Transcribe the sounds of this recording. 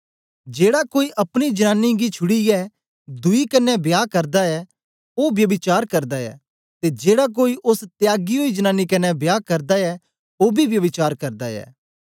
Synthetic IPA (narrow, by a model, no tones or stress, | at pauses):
d͡ʒeːɽakoːiʔɐpɽ̃id͡ʒɐnãːnːiɡit͡ʃʰʊɽiɛ | d̪ʊikɐnːɛbjaːkɐɾd̪aɛ | oːbjɐʋɪt͡ʃaːɾkɐɾd̪aɛ̰ː | t̪ed͡ʒeːɽak̬oːiʔʊst̪jaːɡioid͡ʒɐnaːnikɐnɛbjaːkɐɾd̪aɛ | oːbʱiʋjɐʋɪt͡ʃaːɾkɐɾd̪aɛ̰ː